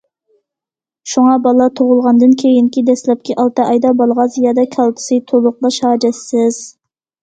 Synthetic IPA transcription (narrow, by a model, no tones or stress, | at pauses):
ʃuŋɑbɑlˠɑt̪ʰoʁʊlˠʁɑnd̪ɨnkʲʰejinkʲid̪ɛslɛp̚kʲʰiʔɑlˠt̪ɨʔɑjd̪ɑbɑlˠʁɑzjɑːd̪ɑkʲʰɑlˠt̪ʰɨ̥sɨjt̪ʰolˠʊq̚lˠɑʃɑːd͡ʒɛsːɪz̥